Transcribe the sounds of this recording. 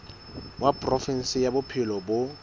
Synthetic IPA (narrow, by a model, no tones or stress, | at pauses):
wapʼrɔfin̩sɪjabʊpʰɪlɔbʊ